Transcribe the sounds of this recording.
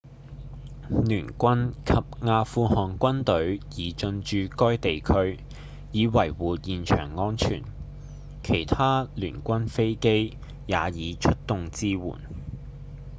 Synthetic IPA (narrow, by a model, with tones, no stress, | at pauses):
lyː˨˩nkʷɐ˥nkʰɐ˨p̚ŋaː˧fuː˧hɔː˨ŋkʷɐ˥nt̪ɵ˨˥ɥjiː˨˧t͡ʃɵ˧nt͡ʃyː˨˧kɔː˥jt̪e˨jkʰɵ˥ɥ | jiː˨˧wɐ˨˩jwuː˨jiː˨nt͡ʃʰœ̰ː˨˩ŋːɔː˥nt͡ʃʰy̰ː˨˩n | kʰe˨˩jt̪ʰaː˥lyː˨˩nkʷɐ˥nfe˥jke˥j | jaː˨˧jiː˨˧t͡ʃʰɵ˥t̚t̪ʊ˨ŋt͡siː˥wṵː˨˩n